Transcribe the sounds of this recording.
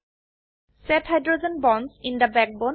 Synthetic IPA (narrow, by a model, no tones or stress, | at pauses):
sɛthajdɹod͡ʒɔ̃nbɔ̃nsĩnd̪əbɛk̚bõ